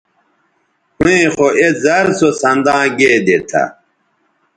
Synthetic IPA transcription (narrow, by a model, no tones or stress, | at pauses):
hũẽxoʔezɐɾsosɐnd̪ãːɡeːd̪et̪ʰa̰